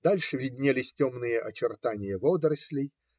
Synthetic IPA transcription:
d̪alʲʂɨvʲɪdʲnʲelʲɪsʲtʲomnɨjəʔɐt͡ɕɪrt̪anʲɪjəvɔd̪ɾɐsʲlʲɪj

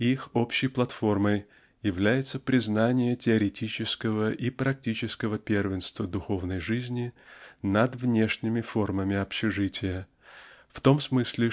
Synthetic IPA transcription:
ixo̞pɕːɪjplˠɐt̪fo̞rməj | jɪvlʲæjɪt̪səpɾʲɪznanʲɪjətʲɪɐɾʲɪtʲit͡ɕɪskəvəʔipɾɐk̚tʲit͡ɕɪskəvəpʲervʲɪnst̪vəd̪ʊxo̞vnəjʐɨzʲnʲɪnɐd̪vnʲe̞ʂnʲɪmʲɪfo̞rməmʲɪɐpɕɪʐɨtʲɪjə | ft̪o̞msmɨsʲlʲɪ

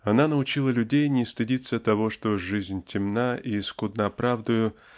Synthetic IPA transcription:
ɐnanəʊt͡ɕilˠəlʲʉdʲejnʲɪst̪ɨdʲit̪sət̪ɐvo̞ʂt̪o̞ʐɨzʲnʲtʲɪmnaiːskʊd̪nəɐpɾavd̪ʊjʊ

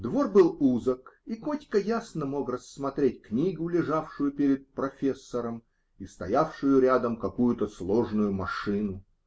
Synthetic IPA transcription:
d̪vo̞rbɨlˠuzəkikotʲkəjasnəmo̞krəsːmɐt̪ɾʲetʲknʲiɡʊlʲɪʐafʂʊjʊpʲeɾʲɪt̪̚pɾɐfʲesːəɾəm | ist̪ɐjafʂʊjʊɾʲad̪əmkɐkujʊt̪əslˠo̞ʐnʊjʊmɐʂɨnʊ

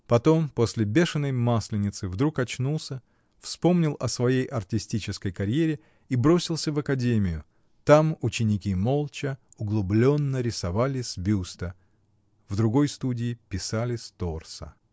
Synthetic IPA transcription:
pɐt̪o̞mposʲlʲɪbʲe̞ʂɨnːəjmasʲlʲɪnʲɪt̪sɨvd̪ɾukɐt͡ɕnulˠsʲə | fspo̞mnʲɪlˠʔɐsvɐjejʔɐrtʲɪsʲtʲit͡ɕɪskəjkɐɾʲjeɾʲɪ | ibɾo̞sʲɪlˠsʲəvɐkɐdʲemʲɪjʊ | t̪amʊt͡ɕɪnʲɪkʲimo̞lˠt͡ɕəʊɡlˠʊblʲo̞nːəɾʲɪsɐvalʲɪsʲbʲust̪ə | vd̪ɾʊɡo̞jst̪udʲɪːpʲɪsalʲɪsʲt̪o̞rsə̰

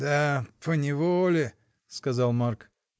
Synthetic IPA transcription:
d̪apənʲɪvolʲɪ | skɐzɑlˠmark

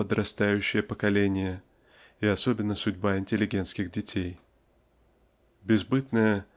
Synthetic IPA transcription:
əd̪ɾʔɐst̪ajʉɕːɪjəpəkɐlʲenʲɪjə | ɪɐso̞bʲɪnːəsʊdʲbaɪnʲtʲɪlʲɪɡʲe̞nskʲɪɣdʲɪtʲej | bʲɪzbɨt̪nəjə

